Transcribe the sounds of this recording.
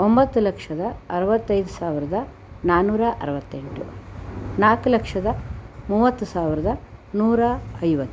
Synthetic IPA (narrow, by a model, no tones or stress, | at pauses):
ombɐt̪ːulɐkʂɐd̪ɐɐɾɐʋɐt̪ːɐjd̪usaːʋiɾɐd̪ɐ | naːnuːɾɐʔɐ̰ɾɐʋɐt̪ːeɳʈu | naːkulɐkʂɐd̪ɐmuːʋɐt̪ːusaːʋiɾɐd̪ɐnuːɾɐɐjʋɐt̪ːu